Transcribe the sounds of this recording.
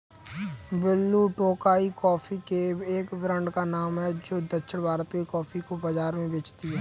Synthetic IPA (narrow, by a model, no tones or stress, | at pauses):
bɪlːuːʈoːkaːikɔːpʰikeeːkbɾə̃ɳɖkanaːmɦɛd͡ʒoːd̪əʃʰəɽbʱaːɾət̪kekɔːpʰikobəd͡ʒaːɾmẽbeːt͡ʃt̪iɦɛː